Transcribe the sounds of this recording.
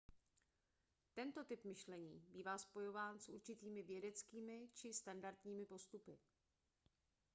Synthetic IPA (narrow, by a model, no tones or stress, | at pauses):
t̪ɛnt̪o̞t̪ɪpmɪʃlɛɲiːbiːvaːspo̞jo̞vaːnsʔuɾt͡ʃɪt̪iːmɪvjɛdɛt͡skiːmɪt͡ʃɪst̪andaɾt̪ɲiːmɪpo̞st̪upɪ